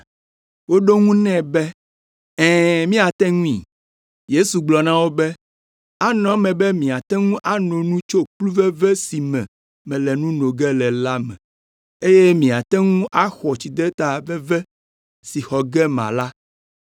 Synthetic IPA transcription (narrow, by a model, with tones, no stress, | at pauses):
wo˦ɖo˦ŋũ˦nɛ̃˦bɛ˦ | ɛ̃ː˦˨mĩ˦a˨t̪ɛ̃˦ŋũ˦ḭ̃˨ | je˦su˨ɡ͡blɔ˨nã˦wo˦bɛ˦ | a˦nɔ̃˨˦mɛ̃˨bɛ˦mĩ˨a˨t̪ɛ˦ŋũ˦ʔa˦nɔ̃˨nũ˦t͡ʃo˦k͡plu˦vɛ˦vɛ˦si˨mɛ̰̃˨ | mɛ̃˨lɛ˨nũ˦nõ˨ɡɛ˦lɛ˨la˦mɛ̰̃˨ | e˦je˦mĩ˨a˨t̪ɛ˦ŋũ˦ʔa˦xɔ˨t͡ɕi˨d̪ɛ˦t̪a˨vɛ˦vɛ˦ | si˨xɔ˨ɡɛ˦mã̰˨la˦